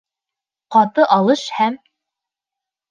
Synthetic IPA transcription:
qɑt̪ɤʔɑlˠɤʃhæm

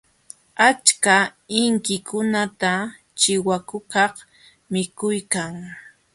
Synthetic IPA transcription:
at͡ʃkaɪŋkɪkʰʊnat̪a | t͡ʃɪwakʊkɑχ | mɪkʊjkaŋ

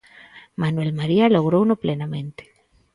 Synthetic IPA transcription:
manwelmaɾialoɣɾownoplenamẽnt̪e̥

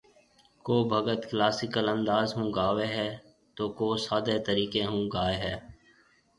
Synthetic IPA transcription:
koːbʱəɡət̪klaːsɪkələ̃nd̪aːzɦũːɡaːʋeɦɛː | t̪oːkoːsaːd̪et̪əɾiːkeɦũːɡaːeɦɛː

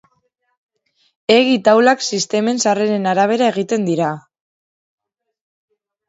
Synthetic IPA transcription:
e̞ɣit̪awlaksist̪e̞me̞nsare̞ɾe̞naɾaβ̞e̞ɾae̞ɣ̞it̪e̞nd̪iɾa

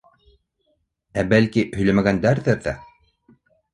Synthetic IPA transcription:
æbælkihɵ̆jlæmæɡænd̪æɾðɘɾðæ

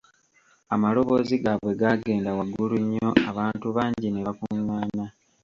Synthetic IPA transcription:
amalo̞βo̞ːziɡaβwe̞ɡaɡe̞ːndawaɡuluɲːo̞aβaːntuβaːɲɟine̞βakuŋwaːna

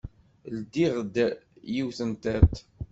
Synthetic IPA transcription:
ld̪iʁd̪jiwθənt̪æt̪

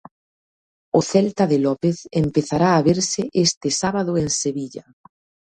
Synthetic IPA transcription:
ʊθɛlt̪aðɪlɔpeθempeθaɾaːβeɾsɪʔest̪ɪsaβaðʊeŋseβiʎa̰

